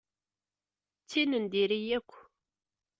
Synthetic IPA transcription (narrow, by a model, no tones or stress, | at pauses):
t͡sːinənd̪iɾijækʷː